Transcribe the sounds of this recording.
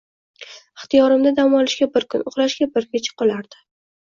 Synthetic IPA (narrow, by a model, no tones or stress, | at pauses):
ɪχt̪ijɒɾɪmd̪ad̪amɒlɪʃɡʲabɪɾkʰʊnʊχɾaʃɡʲabɪɾkʰʲet͡ʃʰɪ̥qɒlaɾd̪̥ɪ̥